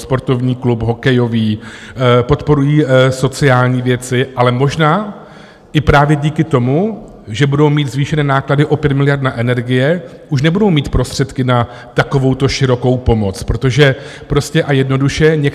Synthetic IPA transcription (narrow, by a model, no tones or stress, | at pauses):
spo̞ɾt̪o̞vɲiːklupɦo̞kɛjo̞viː | po̞t̪po̞ɾujiːso̞t͡sɪaːlɲiːvjɛt͡sɪʔalɛmo̞ʒnaː | ʔɪpɾaːvjɛɟiːkɪt̪o̞mu | ʒɛbudo̞wmiːt̪zviːʃɛnɛːnaːkladɪʔo̞pjɛt̪mɪlɪjaɾdnaʔɛnɛɾɡɪjɛ | ʔuʃnɛbudo̞wmiːt̪pɾo̞st̪r̝̥ɛt̪kɪna | t̪akovo̞wt̪o̞ʃɪɾo̞ko̞wpo̞mo̞t͡spɾo̞t̪o̞ʒɛpɾo̞scɛʔajɛdno̞duʃɛɲɛk